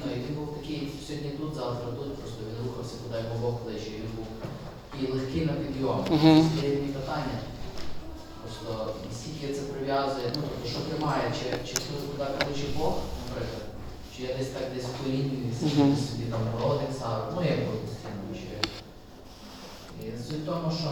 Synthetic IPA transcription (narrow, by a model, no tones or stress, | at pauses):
nɔiʋʲinbuwt̪ɐkʲɪjsʲɔd̪ʲnʲit̪ut̪zɑwt̪ɾɐt̪ut̪̚pɾɔst̪ɔʋʲinɾuxɐwsʲɐkʊd̪ɑjbɔbɔklˠɪt͡ʃɛjʋʲinbuw | tɐkʲijlˠexkɪnɐpʲid̪ʲiɔmisʲpɔɾʲɛd̪ʲnʲipet̪ɑnʲːɐ | pɾɔst̪ɔnisʲkʲilʲkʲɛt̪sɛpɾɪʋʲjazʊjɛnut̪ɔpt̪ɔʃɔt̪ɾɪmɑjɛt͡ʃɪt͡ʃɪsuʊkʊd̪ɑklˠɪt͡ʃɪbɔxnɐpɾɪklˠɐd̪ | t͡ʃɪjad̪ɛsʲt̪ɑkd̪ɛsʲkɔɾʲinʲiisʲisʲʊbʲit̪ɑmpɔɾɔd̪ɪnʲsɑʋɪnujaɡbɔnʲisʲt̪ʲinɐjʊt͡ʃɛ̰ | isʲɔlʲt̪ɔmʊʃt͡ʃɔ